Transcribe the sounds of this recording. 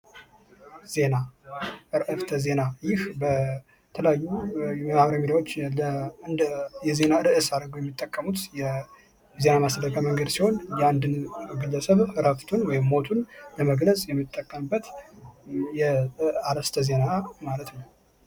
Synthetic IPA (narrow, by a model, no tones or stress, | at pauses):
z̥e̞naʔɨɾʔɨft̪ʰəze̞najɪhbə | t̪ʰələjajːuɛmaβɾəmid̪awo̞t͡ʃːləɨnd̪jɛze̞naɨɾʔɨsad̪əɡojɛmːit̪ʼːəkʼːəmut̪jɛ | ze̞namasləɡʰʼəməŋɡəd̪siho̞njɛand̪ɨnɡɨlːəsəβɨɾaft̪ʰunwɔjɪmːo̞t̪ʰunləməɡləsʼjɛmːit̪ʼːəkʼːəmbːət̪ | jɛaɾəst̪ʰəze̞namalət̪nəw